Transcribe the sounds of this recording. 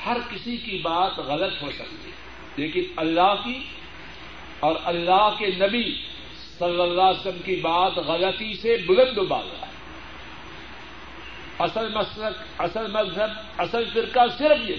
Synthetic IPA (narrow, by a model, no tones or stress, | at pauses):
hɐɾkɪsikibaːt̪ɣɐlət̪ɦosɐ̰kt̪ḭ | leːkɪnɐlːaːɦki | ɔːɾʔɐlːaːɦkenɐbi | sɐlːəlːaːsəmkibaːt̪ɣɐlət̪isebʊlɐ̃nd̪ba̰ːla̰ | ɐsəlmɐslək | ɐsəlmɐzɦəb | ɐsəlfɪɾkasɪɾəfje